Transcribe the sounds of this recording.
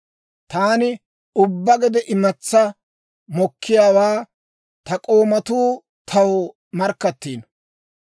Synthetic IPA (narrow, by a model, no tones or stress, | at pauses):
t̪aːnɪ | ʊbːɐɡɛd̪ɛʔɪmɐt͡sːɐ | mɔkʰːɪjaːwaː | t̪ɐkʼo̞ːmɐt̪uː | t̪ʰɐw | mɐɾkːɐt̪ːiːn